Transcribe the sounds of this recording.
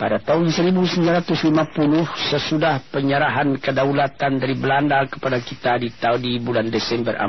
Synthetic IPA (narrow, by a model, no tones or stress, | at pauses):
padat̪aɦʊnsəɾibusəmilaɾat̪ʊslimapulʊhsəsudahpəɲəɾaɦankədaulat̪andaɾibəlandakə̥padakit̪adit̪audibulandɛsɛmbəra̰